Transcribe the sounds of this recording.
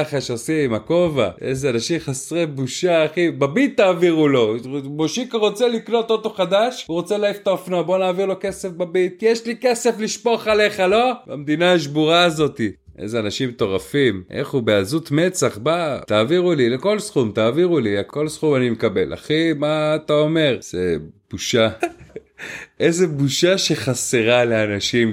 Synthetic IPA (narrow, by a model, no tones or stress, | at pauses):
aχaʃeosiimako̞vaḛzeanaʃimχasʁebuʃaːχibabit̪ːaːviʁulo̞boʃikaʁo̞t͡selikno̞t̪ot̪o̞χad̪aʃuʁot͡selaift̪aofnabo̞naːviʁlo̞ke̞sefbabit̪̚kijeʃlikese̞fliʃpo̞χale̞χalo̞amd̪inaʃ̬buʁaːzo̞t̪i | ʔḛzeanaʃimt̪o̞ʁafimʔḛχubeazut̪met͡saχbat̪aːviʁulileko̞lsχumt̪aːviʁuliako̞lsχumanimekabe̞la̰χimaːt̪ao̞me̞ʁz̥eb̥uʃa | ezebuʃaʃe̞χaseʁale̞anaʃim